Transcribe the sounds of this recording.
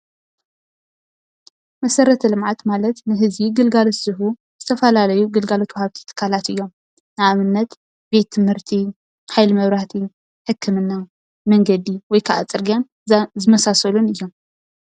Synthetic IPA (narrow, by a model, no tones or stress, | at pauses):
mɐsɐɾɐt̪ʰɐlɨmʕat̪malɐt̪nɨɦɨzbiɡɨlɡalosɨɦu | z̥ɨt̪ʰɐfɐlalɐjuɡɨlɡalot̪wɔhaβt̪ʰi̥t̪ʰɨ̥kʰːalat̪ɨjːo̞m | nɨamɨnːɐt̪ | be̞t̪ʰːɨmhɨɾt̪ʰi | ħajlɨmɐβɾaht̪ʰi | ħɨkʰːɨmɨnːa | mɐŋɡɐd̪iwɔjkʰaʔa̰t͡sʼɨɾɡijan | zɨmɐsasɐlunɨjːo̞m